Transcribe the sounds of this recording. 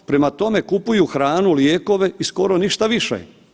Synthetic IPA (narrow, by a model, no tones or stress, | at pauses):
pɾe̞mat̪o̞me̞kupujuxɾaːnuljeːko̞ʋe̞isko̞ɾo̞niʃt̪aʋiʃḛ